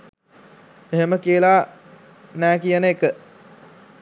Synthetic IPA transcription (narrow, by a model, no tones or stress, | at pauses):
eɦeməkiəla | næːkijənəekə